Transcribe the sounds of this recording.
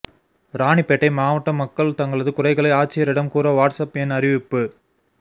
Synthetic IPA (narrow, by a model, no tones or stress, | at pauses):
ɾaːɳipːɛʈːɐɪmaːʋɐʈːɐmːɐkːɐɭt̪ɐŋɡɐɭɐðɯkʊrɐɪɣɐɭɐɪaːʈ̚t͡ʃːɪjɐɾɪɽɐmkuːɾɐʋaːʈsɐpɛnɐɾɪʋɪpːɯ